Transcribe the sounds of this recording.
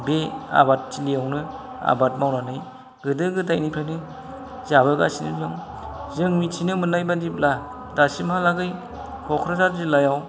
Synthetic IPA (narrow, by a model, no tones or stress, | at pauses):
bea̰bat̚t͡ʃilijawnɯ | a̰bat̚mawnanɯj | ɡɯdɯɡɯdajnipʰɾajnɯ | zabɯɡa̰sinɯ̰lɯŋ | zɯŋmitʰinɯmɯnajbadip̚la | dasimhalaɡɯj | kʰɔkʰɾazaɾzilajaw